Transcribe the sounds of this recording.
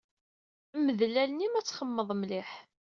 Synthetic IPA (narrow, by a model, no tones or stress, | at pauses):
mːəðlælnimæt͡sːχəmːəðˤmlɪħ